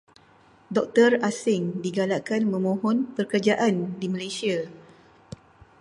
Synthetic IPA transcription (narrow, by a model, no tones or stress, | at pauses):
dɔk̚t̪ərasɪŋdiɡalakanmə̃mõɦɔnpərkərd͡ʒaʔandimãlajsia